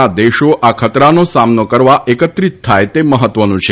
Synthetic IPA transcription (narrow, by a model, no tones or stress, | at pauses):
ad̪eʃoʔakʰət̪ɾanosamnokəɾʋaʔekət̪ɾit̪ʰːajt̪eməɦət̪ːʋənũt͡ʃʰe